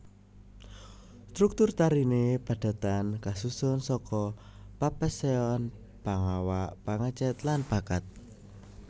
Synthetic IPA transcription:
st̪ɾuk̚t̪ʊrt̪aɾinepa̤d̪̥a̤t̪ankasusʊnsɔkɔ | papəseɔn | paŋawaʔpaŋət͡ʃɛt̪lanpakat̪̚

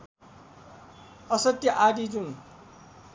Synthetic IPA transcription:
ʌsʌt̪jʌʔaɖid͡zuŋ

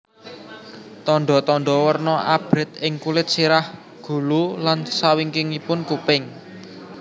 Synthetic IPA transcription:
t̪ɔɳɖɔt̪ɔɳɖɔwərnɔʔab̥ɾɪ̤t̪ɪŋkulɪt̪̚siɾah | ɡ̥ṳlulansawiŋkɪŋipʊnkupɪŋ

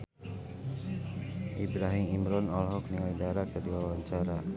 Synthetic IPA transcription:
ʔibɾaɦimimɾɔnɔlɦɔkniajdaɾakadiwawaɲt͡ʃaɾa

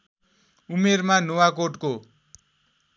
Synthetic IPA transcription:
umermanowakoʈko

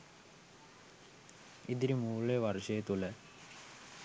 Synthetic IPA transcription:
id̪iɾumuːɭːeʋɐrʂɐjet̪ːulɐ

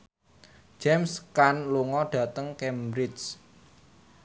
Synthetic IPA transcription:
d͡ʒ̥ɛmskanluŋɔɖ̥ä̤t̪əŋkɛmɾɪs

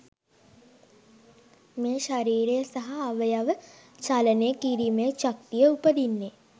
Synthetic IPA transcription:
mẽːʃɐɾiːɾejəsɐɦaːʋəjaʋət͡ʃaːlənekiɾimet͡ʃɐk̚t̪ijəupəd̪inːe

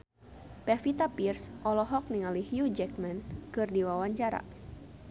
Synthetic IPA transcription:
pɛfit̪apirsʔɔlɔɦɔk̚niŋalihjud͡ʒɛk̚mɛnkɨrdiwawaɲt͡ʃaɾa̰

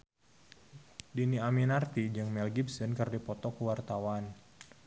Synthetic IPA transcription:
diniaminart̪id͡ʒɨŋmɛlɡibsənkərdipɔt̪ɔkəwart̪awan

